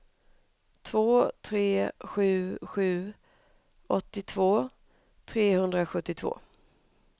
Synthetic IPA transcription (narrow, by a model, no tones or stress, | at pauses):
t̪ʰvoːt̪ʰɾeːɧʉ̟ːɧʉ̟ː | ʔɔt̪ːɪt̪ʰvoː | t̪ʰɾeːhɵnd̪ɾaɧɵt̪ːɪt̪ʰv̥o̰ː